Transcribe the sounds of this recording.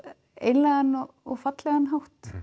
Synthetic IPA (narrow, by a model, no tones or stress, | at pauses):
ḛjnlɛɣanːɔ | ɔɣfat̪lɛɣanɦawht̪